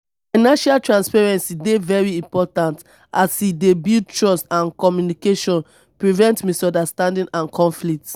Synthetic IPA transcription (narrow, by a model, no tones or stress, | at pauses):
finãʃaltɹãnspɛɹɛ̃nsidevɛɹiĩmpɔtãnt | asidebild̚tɹɔsãnkɔmjunikeʃɔ̃n | pɹivɛ̃ntmisɔ̃ndastãndĩnʔãnkʰɔ̃nflik̚t